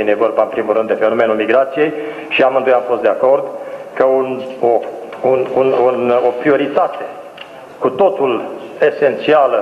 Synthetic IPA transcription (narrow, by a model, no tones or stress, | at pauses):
inevo̞rbaɨnpɾimulrɨnd̪e̞fe̞no̞me̞nulmiɡɾat̪sije̞j | ʃiamɨnd̪ojamfost̪d̪eako̞rd̪kəuno | unununopɾio̞ɾit̪at̪e̞ | kut̪o̞t̪ule̞se̞nt̪sialə